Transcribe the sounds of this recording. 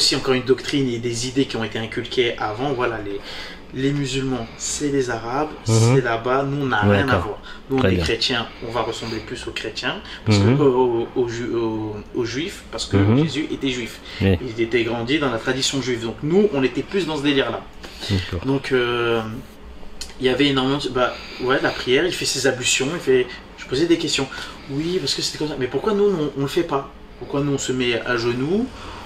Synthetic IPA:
osiɑ̃kɔʁynd̪ɔkt̪χined̪ezid̪ekʲiɔ̃et̪eɛ̃kʲylkʲʰeʔavɑ̃vwalale | lemyzylmɑ̃sɛlezaʁabsɛlabanuɔ̃naʁjɛ̃navwaːʁ | nuɔ̃eɛkχet̪jɛ̃ɔ̃vaʁəsɑ̃bleplysokχet̪jɛ̃paʁsə̥kəoʒooʒɥifpaʁsə̥kəʒezyʔet̪ɛʒɥif | ilzet̪ɛɡʁɑ̃d̪id̪ɑ̃lat̪χad̪isjɔ̃ʒɥivd̪ɔ̃knuɔ̃net̪ɛplysd̪ɑ̃səd̪eliʁla̰ | akɔd̪ɔ̃kʰø | iljavɛenɔʁmemɑ̃d̪ba | wɛlapχijɛʁilfɛsezabysjɔ̃ilfɛ | ʒ̥ə̥pozɛd̪ekʲɛst̪jɔ̃ | wipaʁsə̥kəse̥t̪ɛkɔmsamɛpuʁkwanunɔ̃ɔ̃ləfɛpa | puʁkwanuɔ̃səmɛa̰ʒənu

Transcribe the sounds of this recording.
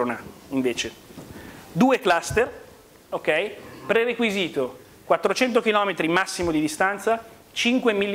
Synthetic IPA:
onaiɱveːt͡ʃe | d̪uːeklast̪er | okɛjpɾerekwiziːt̪o | kwat̪ːɾot͡ʃɛnt̪̬ok̟ilɔːmet̪ɾimasːimod̪id̪ist̪ant̪sa | t͡ʃiŋkwemilː

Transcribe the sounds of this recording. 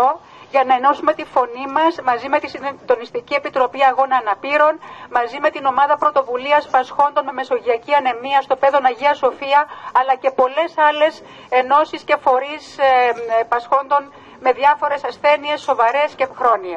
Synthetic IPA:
o̞ | ʝɐnɐe̞no̞sume̞t̪ifo̞nimɐsmɐzime̞t̪isid̪o̞nist̪icie̞pit̪ɾo̞piɐɣo̞nɐːnɐpiɾo̞nmɐzime̞t̪ino̞mɐðɐpɾo̞t̪o̞vuliɐspɐsxo̞nd̪onme̞me̞so̞ʝiɐciɐne̞miɐst̪o̞pe̞ðo̞nɐʝiɐso̞fiɐɐlɐce̞po̞le̞sɐle̞s | e̞no̞sisce̞fo̞ɾis | pɐsxo̞nd̪o̞n | me̞ðjɐfo̞ɾe̞sɐsθe̞nie̞sːo̞vɐɾe̞scexɾo̞nie

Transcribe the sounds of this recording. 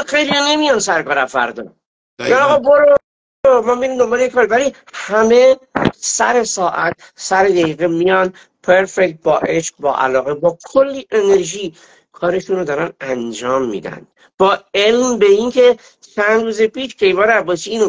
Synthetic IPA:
xe̞jliane̞mijɒnsæɾkɒːɾæmfæ̰ɾd̪ɒ̰ː | miɡænɒːɣɒboɾob | oɾomɒːmiɾiːmd̪o̞mbɒːlejekʰːɒːɾevæli | hæme̞sæɾe̞sɒːʔæt̪̚ | sæɾed̪æiːɣemijɒn | pʰeɾfek̚t̪̚bɒːʔe̞ʃq̚bɒ̰ːʔæ̰lɒːɣebɒːkʰolːiʔe̞neɾʒiː | kʰɒːɾe̞ʃunɾod̪ɒːɾænænd͡ʒɒːmːḭːd̪æ̰n | b̥ɒːe̞lmbeinkʰe | t͡ʃʰænd̪ruːzepiːʃcʰe̞jbɒːɾæbɒːsiiːno

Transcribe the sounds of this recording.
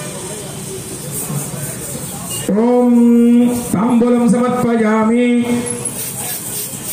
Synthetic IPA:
toːm | t̪aːmbolɐmsɐmɐt̪̚pɐd͡ʒaːmi

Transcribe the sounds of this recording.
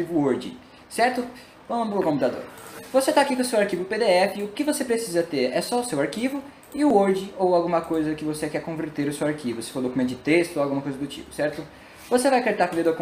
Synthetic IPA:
ivʊoɾd͡ʒɪ̰ | sɛɾt̪ʊ | vɐ̃mɐ̃mʊpɾɐkõmpĩt̪ad̪o̰ɾvoset̪akikõsewaɾkivʊped̪eɛfɪʊkɪvosepɾesizɐt̪eɾɛsɔʊsewaɾkivʊ | ɪʊoɾd͡ʒɪowawɡũmɐkojzɐkɪvosekɛɾkõveɾt̪eɾʊsewaɾkivʊsɪ̥foɾd̪okumẽt̪ʊd͡ʒɪt̪est̪ʊoawɡũmɐkojzɐd̪ʊt͡ʃḭpʊ̥sɛɾt̪ʊ | vosevajkeɾt̪aɾkd̪ed̪ok

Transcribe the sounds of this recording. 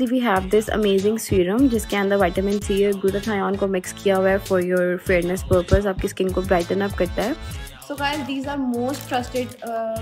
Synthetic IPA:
siʋiːɦɛːʋd̪ɪsə̰meːzɪ̃ŋɡsiːɾə̃md͡ʒɪskeɐ̃nd̪əɾʋaɪʈəmɪ̃nsieɡʊɾət̪ʰaːjɔ̃ːnkomɪkskʰijaɦʊɛfɔɾjɔːɾfeːɾnəspəːɾpəs̬aːp̚kiskɪ̃nkobɾaɪʈə̃nɐpkɐɾt̪aɦɛsoːkaɪld̪iːzaːɾmoːsʈʈɾɐsʈɪɖ

